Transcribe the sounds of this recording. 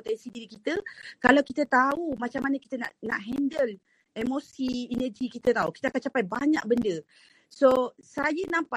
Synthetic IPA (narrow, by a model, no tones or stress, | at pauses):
ot̪ɛnsidiɾikit̪əkalawkit̪ət̪aumat͡ʃamːanəki̥t̪əna̰ʔna̰ʔɦɛndəl | ɛmosiɛnəd͡ʒikit̪ət̪auki̥t̪əakant͡ʃapajbaɲa̰ʔ̚bəndə | sosajənãmpa